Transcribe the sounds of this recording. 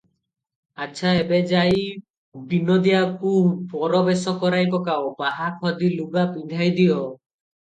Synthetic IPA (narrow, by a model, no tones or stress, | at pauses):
at͡ʃʰaebed͡ʒaj | binɔd̪iakupɔɾɔbesɔkɔɾajpɔkawpaɦakʰɔd̪iluɡapind̪ʱajd̪ijɔ